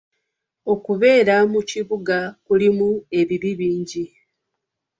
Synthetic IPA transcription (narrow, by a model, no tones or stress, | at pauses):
o̞kuβe̞ːɾamuciβuɡakulimue̞βiβiβiːɲɟi